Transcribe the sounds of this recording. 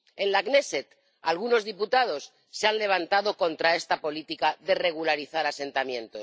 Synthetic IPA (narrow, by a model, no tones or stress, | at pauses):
e̞nlakne̞set̪ | alɣuno̞zðiput̪að̞o̞sː | eanle̞β̞ant̪aðo̞ko̞nt̪ɾae̞st̪apo̞lit̪ikaðe̞re̞ɣ̞ulaɾiθaɾase̞nt̪amjẽ̞nt̪o̞s